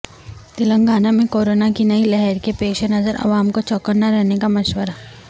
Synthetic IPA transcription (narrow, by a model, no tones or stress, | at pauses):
t̪ɪlə̃ŋɡaːnamẽkoːɾoːnakinɐilɛɦɛɾkepeːʃenɐzəɾɐ̰ʋaːmkot͡ʃɔːkəɾnaɾɛɦnekamɐʃʋəɾaː